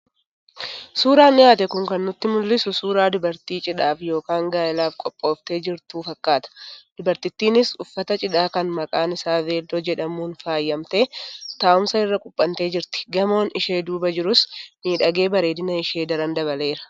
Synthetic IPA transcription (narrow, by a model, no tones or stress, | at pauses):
suːɾaːnːɪaːt̪ɛkʊŋkɐnːʊt̪ːɪmʊlːɪsʊsuːɾaːd̪ʊbɐɾt̪iːt͡ʃʼɪᶑaːfjo̞ːkaːŋɡaːɪlaːfkʼɔpʼːo̞ːft̪e̞ːd͡ʒɪɾt̪uːfɐkːaːt̪ɐ̥d̪̥ʊbɐɾt̪ɪt̪ːiːnɪsʊfːɐt̪ɐt͡ʃʼɪᶑaːkɐnmɐkʼaːnɪsaːve̞ːld̪od͡ʒɛᶑɐmuːnfaːjːɐmt̪e̞ːt̪aːʔʊmsɐɪrːɐkʼʊpʼːɐnt̪e̞ːd͡ʒɪɾt̪ɪ̥ɡɐmo̞ːnɪʃe̞ːd̪uːbɐd͡ʒɪɾʊsmiːᶑɐɡe̞ːbɐɾe̞ːd̪ɪnɐɪʃe̞ːd̪ɐɾɐnd̪ɐβɐle̞ːɾɐ̥